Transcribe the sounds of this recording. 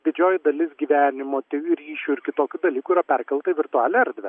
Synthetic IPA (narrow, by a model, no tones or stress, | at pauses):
d̪ʲɪd͡ʒʲoːjd̪ɐlʲɪsɡʲiːʋʲæːnʲɪmoːt̪ʲɛɪɪɾɾʲiːʃʲuɪɾkʲɪt̪oːkʲʊd̪ɐlʲiːkʊiɾɐpʲɛrkɐlˠt̪ɐɪʋʲɪɾt̪ʊɑːlʲɛɐɾʲd̪ʲʋʲɛ